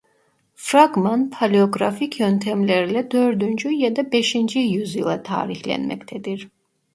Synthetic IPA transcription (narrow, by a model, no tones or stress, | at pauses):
fɾaɡmanpʰalʲio̞ɡɾaficʰjønt̪ʰɛmlʲeɾilʲɛd̪øɾd̪ynd͡ʒyjad̪abeʃind͡ʒijyzjɯlˠat̪ʰa̰ːɾiçlʲɛ̰nmɛ̰ct̪ʰɛd̪iɾ̥